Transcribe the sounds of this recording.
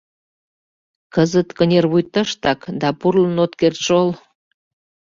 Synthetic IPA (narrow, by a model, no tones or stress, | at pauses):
kəzət̪kənʲerβujt̪əʃt̪ɑkd̪ɑpurlənot̪kert̪ʃol